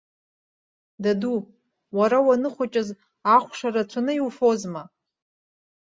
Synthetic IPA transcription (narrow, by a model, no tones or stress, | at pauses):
dadu | waɾawanɨχʷat͡ʃʼɪz | aχʷʂaɾat͡sʷʰanɨiwfo̞zma